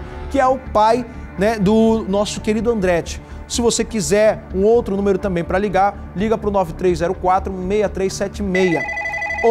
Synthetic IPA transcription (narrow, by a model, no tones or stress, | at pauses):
kɪɛʊpaj | nɛd̪ʊnɔsʊkeɾid̪ʊɐ̃nd̪ɾɛt͡ʃɪ̥ | sɪvosekizɛɾũowt̪ɾʊnũmeɾʊt̪ɐ̃mbẽj̃pɾɐliɡaɾ | liɡɐpɾʊnɔvɪt̪ɾejzzɛɾʊkwat̪ɾʊmejɐt̪ɾejsɛt͡ʃɪmejɐ